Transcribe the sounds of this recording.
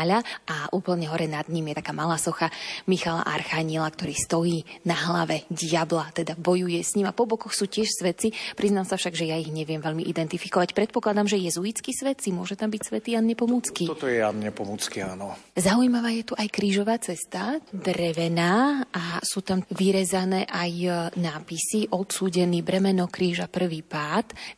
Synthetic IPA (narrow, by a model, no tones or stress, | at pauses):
ʎaʔaʔuːpl̩ɲɛɦɔɾɛnad̪ɲimjɛt̪akaːmalaːsɔxamixala̰ʔa̰ɾxaɲilakt̪ɔɾiːst̪ɔjiːnaɦlaʋɛɟɪablat̪ɛd̪abɔjujɛsɲimapɔbɔkɔxsuːcɪɛʃsʋɛt̪t͡sipɾiznamsafʃaɡʒɛjaiɣɲɛʋɪɛmʋɛʎmiʔid̪ɛnt̪ifikɔʋacpɾɛt̪̚pɔklad̪amʒɛjɛzuit͡skisʋɛt̪simʊɔʒɛt̪ambicsʋɛt̪iːanɲɛpɔmuːt͡skiɔt̪ɔjɛa̰nɲɛpɔmuːt͡skia̰ːnɔzaujmaʋaːjɛt̪uʔajkɾiːʒɔʋaːt͡sɛst̪ad̪ɾɛʋɛnaːasuːt̪amʋiɾɛzanɛːʔajnaːpisiʔɔt̪suːɟɛnibɾɛmɛnɔkɾiːʒapr̩ʋiːpaːt̪